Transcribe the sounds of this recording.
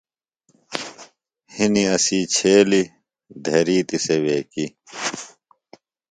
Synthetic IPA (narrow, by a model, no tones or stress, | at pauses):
hiniɐsiːt͡ɕʰeːli | d̪ʱeɾiːt̪iseweːki